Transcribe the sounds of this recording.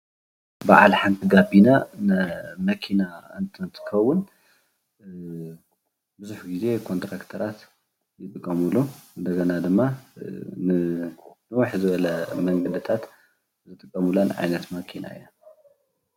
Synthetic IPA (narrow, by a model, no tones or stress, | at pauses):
baʕa̰lħant̪ʰiɡabina | mɐkʰinaɨnt̪ʰɐnt̪ʰɨ̥kʰɐwːʊn | bɨzuħɡize̞kʰo̞nt̪ɾakt̪ʰɐɾat̪ | jɪt̪ʼɨkʼːɐmuluɨnd̪ɐɡɐnad̪ɨmːa | nɨnɨwaħzɨβɐlɐmɐŋɡɐd̪ɨt̪ʰat̪ | zɨt̪ʼɨkʼːɐmulanʕa̰jnɐt̪mɐkʰina̰ḭja